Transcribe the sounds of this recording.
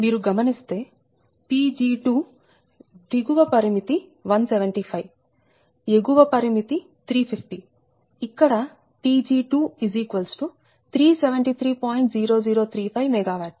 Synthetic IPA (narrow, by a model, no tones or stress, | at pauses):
miːɾuɡɐmɐnist̪e̞ː | piːd͡ʒiːʈuː | d̪iɡuʋɐpɐɾimit̪iʋɐnsɛʋɐɳʈipʰɐjʋ | eɡuʋɐpɐɾimit̪i | t̪ʰɾiːpʰipʰʈi | ikːɐɽɐ | piːd͡ʒiːʈuːiziːkuʋɐlsʈu | t̪ʰɾiːseʋeɳʈit̪ʰɾiːpaːjɳʈziːɾo̞ːd͡ʒiːɾoːt̪ʰɾiːpʰɐjʋmɛɡaːʋaːʈs